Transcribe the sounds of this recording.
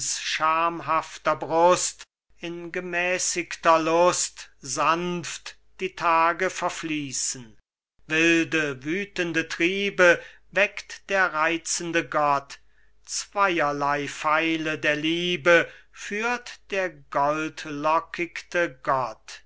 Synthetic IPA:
sʃaɐmɦaftɐbʁʊst | ɪnɡəmɛːsɪktɐlʊstz̥anft | d̥iːtʰaːɡəfɛɐfliːsən̩ | vɪldəvyːtəndətʁ̥iːbə | vɛktd̥eːɐʁaɪt͡sən̩dəɡɔt | t͡sv̥aɪɐlaɪfaɪlədeːɐliːbəfyːɐtd̥eːɐɡɔltlɔkʰɪktəɡɔt

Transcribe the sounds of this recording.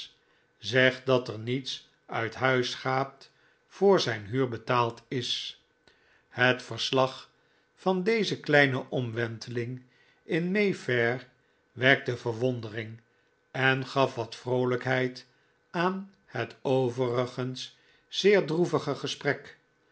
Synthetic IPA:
zɛχt̚dɑtəɹnits | œɥtɦœɥsχaːp̚t | fʊːɹzɛjnɦyːɹbətaːlˠtɪs | hətfəɹslɑχ | fɑndejzəklɛjnəʔɔmʋɛntʰəlɪŋ | ɪnmejfɛr | ʋɛɹk̚təvəɹʋɔndərɪŋ | ɛnχɑfʋɑtfrowləkɦɛjt | aːn | hətowvərəχənsː | ɪːɹdruvəχəχəsprɛk

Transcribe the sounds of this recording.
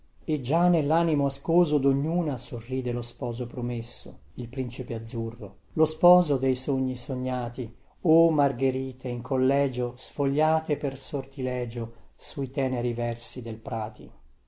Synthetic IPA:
ed͡ʒːanelːaːnimoaskoːzod̪oɲːuːnasorːiːd̪elospɔːzopɾomesːo̰ilpɾint͡ʃipead̪zːurːo | lospɔːzod̪ejsoɲːisoɲːaːt̪i | omarɡeɾiːt̪eiŋkʰolːɛːd͡ʒosfoʎːaːt̪epersort̪ilɛːd͡ʒosuit̪ɛːneɾivɛrsid̪elpɾaːt̪ʰḭ

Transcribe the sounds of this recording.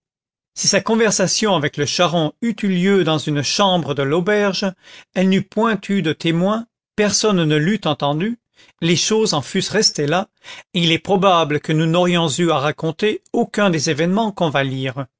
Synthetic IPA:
sisakɔ̃vɛʁsasjɔ̃avɛkləʃaʁɔ̃yt̪yljød̪ɑ̃zynʃɑ̃bʁəd̪əlobɛʁʒɛlnypwɛ̃t̪ʰyd̪ət̪ʰemwɛ̃ | pɛʁsɔnːəlyt̪ɑ̃t̪ɑ̃d̪y | leʃozɑ̃fysʁɛst̪elaeilɛpχɔbabləkənunɔʁjɔ̃zyaʁakɔ̃t̪eokʲɛ̃d̪ezevɛnmɑ̃kɔ̃valiːʁ

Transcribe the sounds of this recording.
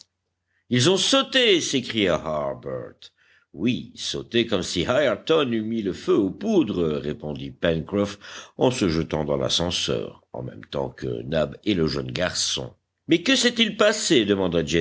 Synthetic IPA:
ilzɔ̃sot̪esekχijahaʁbɛ̰ʁt̪ | wiso̰t̪ekɔmsihajɛʁt̪ɔnymiləføopud̪ʁəʁepɔ̃d̪ipɛnkʁɔfɑ̃səʒət̪ɑ̃d̪ɑ̃la̰sɑ̃sœ̰ːʁ | ɑ̰̃mɛ̰mt̪ɑ̰̃kə̰nabɛləʒə̰nɡaʁsɔ̰̃ | mɛkəsɛt̪ilpased̪əmɑ̃d̪ad͡ʒɛ

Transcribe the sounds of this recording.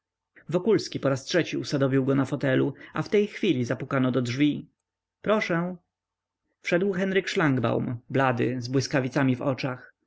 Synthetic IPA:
vɔkulskʲipɔɾastʂɛt͡ɕiusad̪ɔvʲiwɡɔnafɔt̪ɛluaft̪ɛjxfʲilʲizapukanɔd̪ɔdʐvʲi | pɾɔʂɛ̃ | fʂɛd̪wxɛnɾɘkʂlaŋɡba̰wmblad̪ɘzbwɘskavʲit̪samʲivɔ̰t͡ʂax

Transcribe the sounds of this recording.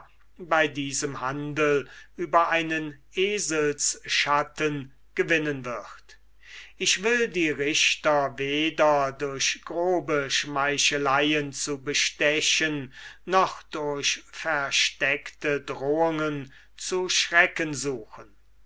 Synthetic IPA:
baɪdiːzəmhandəl̩ʔyːbɐaɪnənʔeːzəlsʃatən | ɡ̥əvɪnənvɪχt | ɪʃv̥ɪldiːʁɪʃtɐveːdɐdʊɐɕɡ̥ʁoːbəʃmaɪʃəlaɪənt͡subəʃtɛʃənːɔχd̥ʊɐɕfæɐʃtɛktədʁoːʊŋən | t͡suʃʁɛkənzuːxən

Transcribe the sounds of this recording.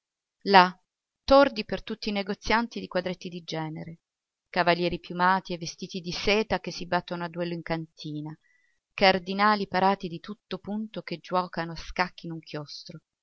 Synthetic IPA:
la | t̪ːord̪ipert̪ut̪ːiːneɡot̪sːjant̪id̪ikwad̪ɾet̪ːid̪id͡ʒɛːneɾe | kavaljɛːɾipjumaːt̪ievːest̪iːt̪id̪isɛːt̪akesːibat̪ːonoad̪ːuɛlːoiŋkant̪ʰiːna | kard̪inaːlipaɾaːt̪id̪it̪ut̪ːopunt̪oked͡ʒːuwɔːkanoaskakːinuŋkʰjost̪ɾo

